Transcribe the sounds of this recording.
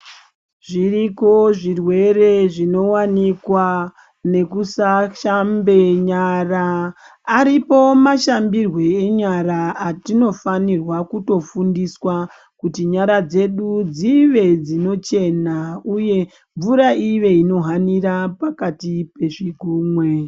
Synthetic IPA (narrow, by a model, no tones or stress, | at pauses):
ʐiriko̞ʐirwe̞ɾe̞ʐino̞wanikwa | ne̞kusaʃambe̞ɲaraː | ɾipo̞maʃambirwe̞eɲaɾaːtino̞fanirwakuto̞fundiswa | kutiɲaɾad͡ze̞ɗud͡ziʋe̞d͡zino̞t͡ʃe̞nauje̞ | ɱvuɾaiʋe̞ino̞ɦaniɾapakatipe̞ʐiɡʱuːmwe